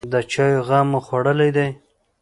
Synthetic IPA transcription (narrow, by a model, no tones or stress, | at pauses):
d̪ət͡ʃɑjoɣɑmoxwaɽəlajd̪aj